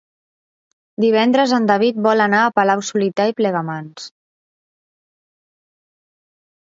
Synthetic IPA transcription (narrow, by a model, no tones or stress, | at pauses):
d̪iβ̞ɛnd̪ɾəzənd̪əβ̞it̪̚bɔlənaːpəlawsulit̪aiplɛɣəmans